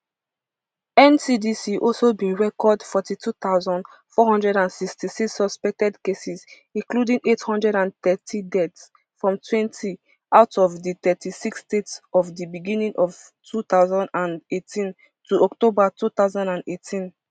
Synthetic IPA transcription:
ɛ̃nsidisiʔɔlsobĩnɹɛkɔdfɔtitʰut̪aʊzɔ̃nd | fɔhɔ̃ndɹɛɾãnsikstisiksɔspɛk̚tɛdkesiz | ĩnkludĩŋethɔ̃ndɹɛɾãntɛtʰidɛts | fɹɔ̃mtʰwɛ̃ntʰi | ʔaʊtɔvdit̪ɛtisiksdetsɔvdibiɡĩnĩŋʔɔv̥ | tʰut̪aʊzɔ̃ndãnetʰĩn | tʰuʔɔktobatut̪aʊzãndãnetʰĩn

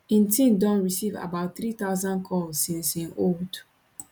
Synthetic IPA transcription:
ĩntʰĩndɔ̃nɹisiva̰baʊt̚θɹit̪aʊzãnkʰɔlzsĩnsĩnold

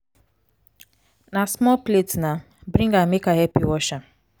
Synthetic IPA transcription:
nasmɔlpletna | bɾĩŋɡamikaɦɛpiwɔʃa

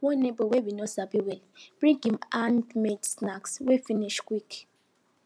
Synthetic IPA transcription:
wonebowewinosabiwɛlb̥ɹĩɡimandmedsnakswefiniʃkwik

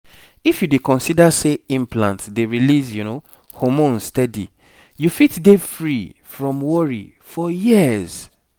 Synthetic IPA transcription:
ifjudekɔ̃nsidaseĩmplã̰ntdeɹilizjuno | hɔmõnsstɛdḭ | jufitdefɹifɹɔ̃mwɔɹḭ | fɔjiəz̥

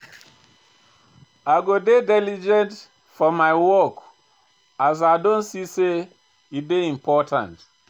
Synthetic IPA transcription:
aɡodedɛlid͡ʒɛ̃nt | fɔmaɪwɔk | az̬aɪdõntsise | it̚deĩmpʰɔtã̰nt

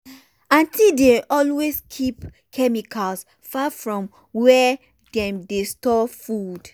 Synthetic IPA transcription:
ãntildeɔlweskʰip | kʰɛmikʰals | fafɹɔ̃m | wɛ | dɛ̃mdestɔfud̥

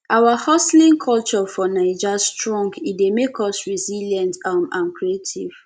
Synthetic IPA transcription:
ʔawahɔslĩŋkʰɔlt͡ʃɔfɔnaɪd͡ʒastɹɔ̃ŋɡidemekʰɔsɹiziljãntamãnkɹietʰiv̥

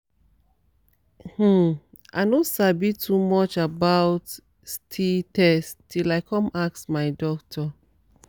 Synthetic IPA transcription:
hm̩ | a̰ɪnosabitʰumɔt͡ʃabaʊt | stʰitɛstilaɪkʰɔ̃maksmaɪdɔk̚tʰɔ

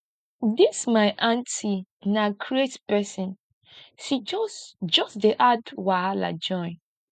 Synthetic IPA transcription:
dismaɪʔãntʰinakʰɹietspɛsĩn | ʃid͡ʒɔsd͡ʒɔsdeʔadwala̰d͡ʒɔ̃ɪ̃n

